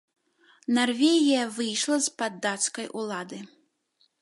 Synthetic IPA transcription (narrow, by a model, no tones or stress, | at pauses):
narvʲeɣʲijɐvɨjʂlˠɐspad̪ːat̪skɐjʔulˠad̪ɨ